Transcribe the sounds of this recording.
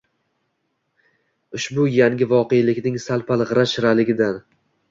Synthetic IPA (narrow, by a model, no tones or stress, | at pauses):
ʊʃbʊjaŋʲɪvɒqʰejlɪkʲnɪŋsalˠpalʁɨɾaʃɪɾalɪɡʲɪd̪an